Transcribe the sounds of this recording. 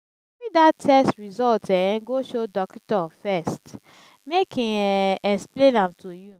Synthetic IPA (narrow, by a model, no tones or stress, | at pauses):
fidatʰːɛstɹizɔltɛɛ̃ɡoʃodɔktɔfɛst | mekĩɛsplẽnãmtʰoju